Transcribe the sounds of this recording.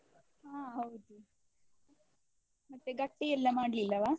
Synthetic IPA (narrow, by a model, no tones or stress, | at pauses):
ɦaːɦɐwd̪u | mɐt̪ːeɡɐʈːeɛlːɐmaːɽlilːɐʋaː